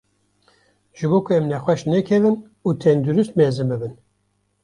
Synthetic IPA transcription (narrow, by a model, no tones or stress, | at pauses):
ʒ̥ɨboːkʰʊɛmnɛxʷwɛʃnɛkʰɛvɨn | uːt̪ʰɛnd̪uɾust̪meːzɨmbɨbɨn